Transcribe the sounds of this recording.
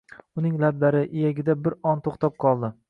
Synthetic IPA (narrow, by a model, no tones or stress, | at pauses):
ʊnɪŋlab̚d̪aɾɪʔɪjaɡʲɪd̪abɪɾɒnt̪ʰoχt̪ʰɒp̚qʰɒlˠd̪ɪ